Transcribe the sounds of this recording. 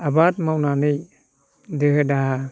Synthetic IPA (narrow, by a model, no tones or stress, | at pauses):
abatmawnanij | dɯda